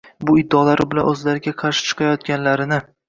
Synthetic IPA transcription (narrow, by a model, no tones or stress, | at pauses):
bʊɪd̪ːɒlaɾɪbɪlanɵzlaɾɪɡʲaqʰɑɾʃɪ̥t͡ʃʰɨ̥qʰɑjɒt̪̚ɡʲanlaɾɪnɪ